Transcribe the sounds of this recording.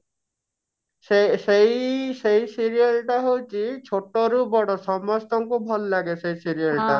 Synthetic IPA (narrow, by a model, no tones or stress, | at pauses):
sesejsejsiɾialʈaɦowt͡ʃʰit͡ʃʰoʈɔɾubɔɽɔsɔmɔst̪ɔŋkubʱɔllaɡesejsiɾialʈa